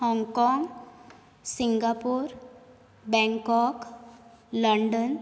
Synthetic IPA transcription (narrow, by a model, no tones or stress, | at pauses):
hɔ̃ŋɡkɔŋɡ | siŋɡapuɾ | bɛ̃ŋkɔk | ləɳɖən